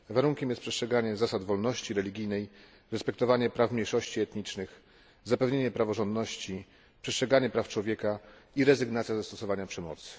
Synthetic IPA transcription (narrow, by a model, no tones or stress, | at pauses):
vaɾuŋkʲɛmjɛst̪pʂɛst̪ʂɛɡaɲɛzasad̪vɔlnɔɕt͡ɕiɾɛlʲiɡʲijnɛj | ɾɛspɛk̚t̪ɔvaɲɛpɾafmʲɲejʂɔɕt͡ɕiɛt̪ɲit͡ʂnɘx | zapɛvɲeɲɛpɾavɔʐɔnd̪nɔɕt͡ɕi | pʂɛst̪ʂɛɡaɲɛpɾaft͡ʂwɔvʲjɛkaiɾɛzɘɡnat̪sʲjazast̪ɔsɔvaɲapʂɛmɔ̰t̪sɘ̥